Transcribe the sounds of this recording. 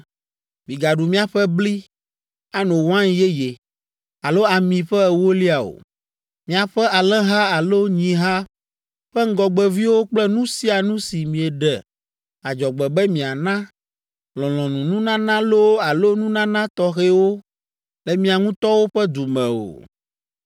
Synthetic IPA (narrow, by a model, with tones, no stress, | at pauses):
mĩ˨ɡa˨ɖu˨mĩ˦a˨ɸɛ˦bli˦ | a˦nõ˨wã˦nje˦je˨ | a˨lo˦a˨mĩ˨ɸɛ˦ɛ˨wo˦li˦a˨o̰˨ | mĩ˨a˨ɸɛ˦a˨lɛ˦ɦa˦a˨lo˦ɲĩ˨ɦa˦ | ɸɛ˦ŋ̩˦ɡɔ˨ɡ͡bɛ˨vi˦wo˦k͡plɛ˦nũ˦si˦a˨nũ˦si˨mĩ˨ɛ˨ɖɛ˨ | a˨d͡ʒɔ˨ɡ͡bɛ˨bɛ˦mĩ˨a˨nã˦ | lɔ̃˨lɔ̃˨nũ˨nũ˦nã˦nã˦lo˦a˨lo˦nũ˦nã˦nã˦t̪ɔ˦xe˦wo˦ | lɛ˨mĩ˦a˨ŋũ˦t̪ɔ˦wo˦ɸɛ˦d̪u˨mɛ̰̃˨o̰˨